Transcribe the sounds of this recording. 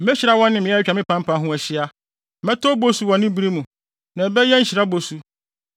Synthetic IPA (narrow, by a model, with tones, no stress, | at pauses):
me˦ɕi˨ɾa˦wɔ̃˦nːɪ̃˦˨mɪ̃˨˦ɛ˦t͡ɕᶣa˨mɪ̃˦pʰã˦m̩˦pʰã˨˦ɦũ˦æ˨ɕɪ˦a˦ | mɛ̃˦tɔ˦bo˦su˨wɔ̃˨nɪ̃˦bɾi˦mũ˨ | nã˨bɛ˦jɛ˦n̩˦ɕi˨ɾa˦bo˨su˦